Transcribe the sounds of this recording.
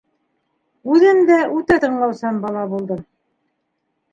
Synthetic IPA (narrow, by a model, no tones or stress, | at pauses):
ʉðɘmd̪æʔʉt̪æt̪ɤ̆ɴlˠɑwsɑmbɑlˠɑbulˠd̪ɤm